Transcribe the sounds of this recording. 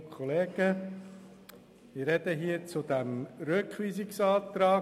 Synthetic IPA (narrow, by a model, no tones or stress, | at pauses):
kʰɔleːɡ̥ə | ɪɾɛd̪əɦiːət͡sʊd̪æmɾøkχʋiːzɪksɑːt̪ɾɑː